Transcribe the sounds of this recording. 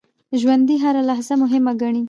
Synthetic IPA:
ʒwand̪iɦaɾalaɦzamʊɦɪmaɡaɳi

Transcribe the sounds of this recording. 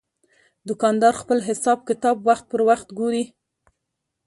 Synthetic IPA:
d̪ʊkɑnd̪ɑɾxpəlɦɪsɑb̚kɪt̪ɑbwaxt̪̚pəɾwaxt̪ɡuɾi

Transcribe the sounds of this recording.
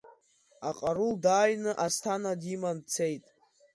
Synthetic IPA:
aqʼaɾuldaːjnɨʔastʰanadimant͡sʰe̞jtʼ

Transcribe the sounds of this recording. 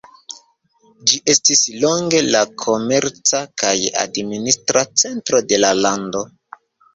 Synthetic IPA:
d͡ʒiʔe̞stislo̞ŋɡe̞lakʰo̞me̞ɾt͡sakaja̰dministɾat͡se̞ntɾo̞de̞lalando̞

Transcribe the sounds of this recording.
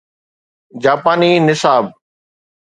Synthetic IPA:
d͡ʑaːpaːniːnɪsaːb̚

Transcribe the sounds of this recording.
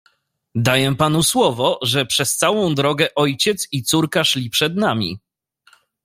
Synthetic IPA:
d̪ajɛpan̪uswɔvɔʐɛpʂɛst̪sawɔ̃w̃d̪ɾɔɡɛʔɔjt͡ɕɛt̪sit̪suɾkaʂlʲipʂɛd̪namʲḭ

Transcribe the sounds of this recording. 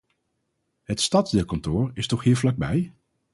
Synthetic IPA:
ɦətstɑddɪːlˠkɑntoːɹɪstɔχɦiːɹvlɑɡ̚bɛj

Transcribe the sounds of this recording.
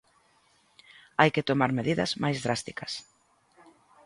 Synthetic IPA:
ajket̪omaɾmeðiðɐ̰zmajzðɾast̪ikɐs

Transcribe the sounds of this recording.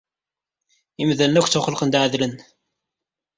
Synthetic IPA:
imðælnækʷθt͡sʊχləqənd̪ʕəðlən

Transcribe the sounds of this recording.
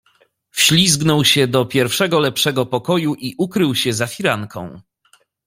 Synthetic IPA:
fɕlʲizɡnɔwɕɛd̪ɔpʲjɛɾfʂɛɡɔlɛpʂɛɡɔpɔkɔjuʔiʔukɾɘwɕɛzafʲiɾaŋkʰɔ̰̃w̃

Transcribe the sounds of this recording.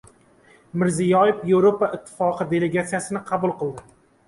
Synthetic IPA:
mɪɾzijɒjefjevɾopaɪt̪ʰːɪ̥fɒqʰɨd̪e̞le̞ɡat̪sijasɪnɪqʰɑbʊlˠqɨlˠd̪ɪ

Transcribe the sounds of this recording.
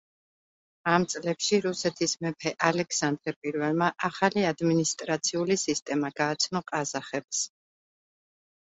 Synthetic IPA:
amt̪sʼlɛpʃiɾusɛt̪ʰismɛpʰɛʔalɛkʰsand̪ɾɛpʼiɾvɛlˠmaʔaχaliad̪minist̪ʼɾat̪sʰiulisist̪ʼɛmaɡ̥aːt̪sʰnɔqʼazaχɛps

